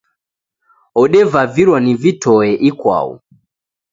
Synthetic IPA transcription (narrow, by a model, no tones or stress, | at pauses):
ɔɗɛvaviɾwanivitɔɛʔikwa̰ṵ